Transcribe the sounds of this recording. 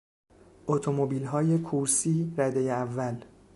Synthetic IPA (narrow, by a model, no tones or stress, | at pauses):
ʔot̪ʰomobiːlɦɒːje̞kʰuɾsiːɾæd̪e̞jeævːæl